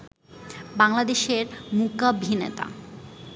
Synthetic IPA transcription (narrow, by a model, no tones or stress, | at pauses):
baŋlad̪eʃeɾmukabʱinḛt̪a̰